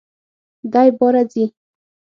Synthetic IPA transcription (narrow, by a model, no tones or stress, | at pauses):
d̪ajboɾad͡zi